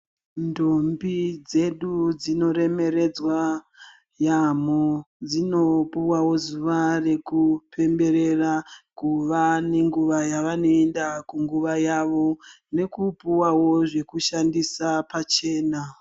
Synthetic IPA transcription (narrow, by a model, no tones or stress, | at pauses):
ndombid͡ze̞ɗud͡zino̞ɾe̞me̞ɾe̞d͡zwa | jamod͡zino̞puwawo̞zuʋare̞kupʰe̞mbe̞ɾe̞rakuʋane̞ŋɡuʋajaʋano̞endakuŋɡuʋajaʋo̞ | ne̞kupuwawo̞ʐe̞kuʃandisapat͡ʃe̞ːna